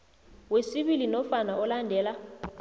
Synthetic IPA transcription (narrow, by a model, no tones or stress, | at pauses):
wesiɓilinɔfanaʔɔlandʱɛːla